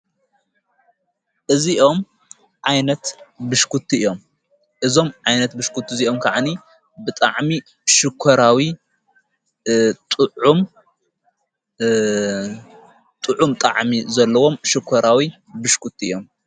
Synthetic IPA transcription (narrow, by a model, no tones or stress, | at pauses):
ʔɨziʔo̞m | ʕajnɐt̪bɨʃkʰut̪ʰːiɨjo̞m | ʔɨzo̞mʕajnɐt̪bɨʃkʰut̪ʰːiziʔomkʰaʕani | bɨt̪ʼa̰ʕmi | ʃɨkʰːɐɾawi | t̪ʼɨʕum | t̪ʼɨʕumt̪ʼa̰ʕmizɐlːɐwo̞mʃɨkʰːɐɾawi | bɨʃkʰut̪ʰːiḭjo̞m